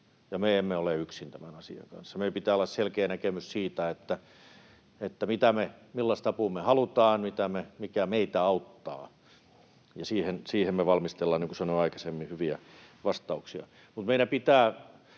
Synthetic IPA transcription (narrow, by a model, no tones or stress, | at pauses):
jɑmeemːeoleyksint̪æmænɑsḭɑ̰ŋkɑ̰nsːɑmeipit̪æːolːɑsselkeːnækemyssiːt̪æet̪ːæ | et̪ːæmit̪æmemilːɑst̪ɑpumehɑlut̪ɑːnmit̪æmemikæmeit̪æɑut̪ːɑ̰ː | jɑsiːhensiːhemmeʋɑlmist̪elːɑniːŋkusɑnoːɑikɑ̥semːihyʋiæʋɑst̪ɑuksiɑ̰ | mut̪meinæpit̪æː